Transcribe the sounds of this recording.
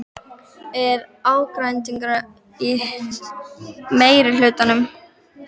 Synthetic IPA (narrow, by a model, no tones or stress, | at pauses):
ɛɾaːwkɾajnt̪iŋkɾa | i | meːjɾɪlʏːt̪anʏm